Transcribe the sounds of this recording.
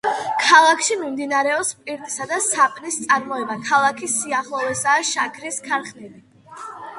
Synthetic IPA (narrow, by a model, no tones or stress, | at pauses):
kʰalˠakʰʃimimd̪inaɾɛɔpspʼiɾt̪ʼi̥sad̪asapʼnist̪sʼaɾmɔɛbakʰalˠakʰisːiaχlˠɔvɛsaːʃakʰɾiskʰaɾχnili